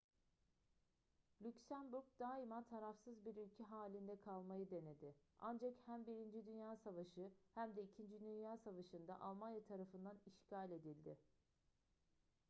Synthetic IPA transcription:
lʲycsænbuɾk̚d̪aːimat̪ʰaɾafsɯzbiɾylʲcʰɛɦaːlʲind̪ɛkʰalˠmajɯd̪e̞ne̞d̪ɪa̰nd͡ʒakhæmbiɾind͡ʒid̪ynjaːsavaʃɯhæmd̪ɛicʰind͡ʒid̪ynjaːsavaʃɯnd̪a̰ʔalˠmanjat̪ʰaɾafɯnd̪aniʃcalʲe̞d̪ilʲd̪ɪ

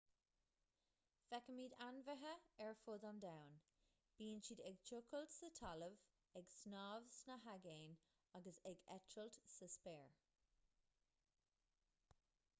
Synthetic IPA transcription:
fɛkəmiːdanvəɦəɛɹfʊd̪andawn | b̥iːnt͡ʃidɛɡ̚t͡ʃʰʊkʰəltsətʰɑləv | ɛɡsnɑːvsnəɦaɡeːn | aɡəsɛɡɛtʰɹəltsəspɛːɹ

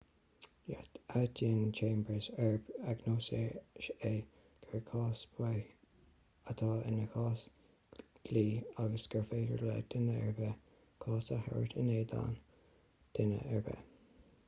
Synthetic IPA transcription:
ja̰t̪at̪ʰiːnt͡ʃʰẽːmbəsɛɹbaɡnoːseʃe | ɡ̥əɹkʰɑːsb̥ɛ | ət̪ʰɑːɪnəxɑːs | ɡ̥liːaɡəsɡ̥əɹfeːɡəɹla̰d̪̥ɪnəɛɹbə | kʰɑːsəhɛ̰ɹt̪ʰɪneːd̪a̰ːn | d̪̥ɪnə̰ʔɛɹbə̰

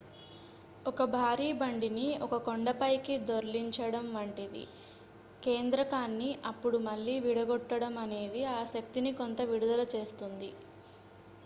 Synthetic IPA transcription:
ɔkɐbʱaːɾiːbɐɳɖiniɔkɐkoɳɖɐpɐjkid̪oɾliɲt͡ʃɐɽɐmʋɐɳʈid̪ḭ | ke̞ːnd̪ɾɐkaːnːiʔɐpːuɽumɐlːiːʋiɽɐɡɔʈːɐɽɐmɐne̞ːd̪iaːʃɐk̚t̪inikont̪ɐʋiɽud̪ɐlɐt͡ʃe̞ːst̪und̪i

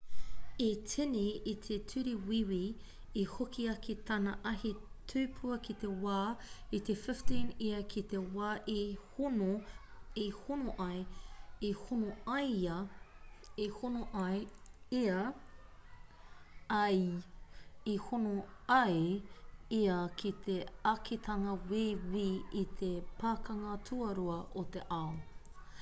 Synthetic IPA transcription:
etʰeneit̪ʰetʰʉɾiwiwi | ehokʰiɐkʰet̪ʰɐnɐʔɐhetʰʉːpʰuɐkit̪ewaːit̪efɪftĩneɐkʰit̪ewaːʔehono | ehonoʔɐeehonoɐjɐ | ehonoʔɐjeɐ | ɐj | ehonoɐje | eɐkʰit̪ʰeɐkʰet̪ʰɐŋɐwewiit̪ʰepaːkɐŋɐtʰuɐɾuɐʔot̪eʔao

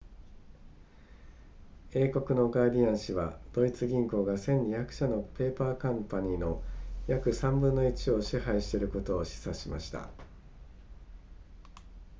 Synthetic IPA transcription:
e̞ːko̞kɯ̟no̞ɡaːd̪ʲiãɰ̃ɕiβa̰d̪̥o̞it͡sɨɡʲĩŋko̞ːɡasẽ̞ɲ̟ːijakɯ̟̥ɕano̞pe̞ːpaːkãmpaɲ̟ino̞jakɯ̟sãmbɯ̟nːo̞it͡ɕio̞ɕiɦaiɕi̥t̪e̞ɾɯ̟ko̞t̪o̞ːɕi̥saɕima̰ɕi̥t̪a̰

